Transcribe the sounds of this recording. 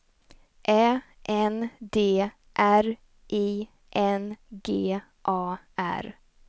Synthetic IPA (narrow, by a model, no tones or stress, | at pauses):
ʔɛː | ʔɛnd̪eː | ʔæɾ | ʔiː | ʔɛnɡeː | ʔɑː | æ̰ɾ